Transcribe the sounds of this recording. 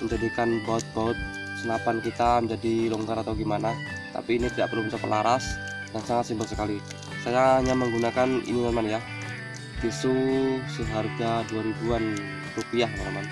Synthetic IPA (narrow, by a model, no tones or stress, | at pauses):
məɲd͡ʒadikanbaʊt̪̚baʊt̪̚ | sənapankit̪aməɲd͡ʒadilɔŋɡaɾat̪awɡimanat̪a̰piːnit̪idaʔpərlumt̪apəla̰ɾas | dansaŋat̪simbəlsəkali | sajaɲaməŋɡunakanḭniməmanja | k̪isusəɦarɡaduaɾibuan | rupiahmamaman